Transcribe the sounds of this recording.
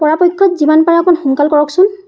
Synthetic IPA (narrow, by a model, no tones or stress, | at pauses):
pɔɹapɔjkʰːɔt̪zimanpaɹakɔnxɔŋkalkɔɹɔksʊn